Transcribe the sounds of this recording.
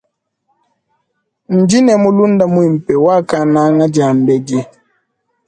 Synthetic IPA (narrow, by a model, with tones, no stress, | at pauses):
n̩˨d͡ʒi˦nɛ˨mu˦lu˦n˦da˦mu˦i˨m̩˨pɛ˨wa˦˨ka˦na˦ŋa˦d͡ʒa˨m̩˨bɛ˦d͡ʒɛ˦